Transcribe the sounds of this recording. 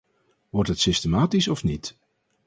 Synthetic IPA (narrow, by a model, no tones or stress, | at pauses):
ʋɔrtɦətsɪstəmaːtisɔfnit